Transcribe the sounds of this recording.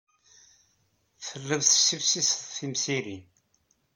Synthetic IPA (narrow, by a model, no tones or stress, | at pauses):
θəlːəðθsːifsisðθimsiɾin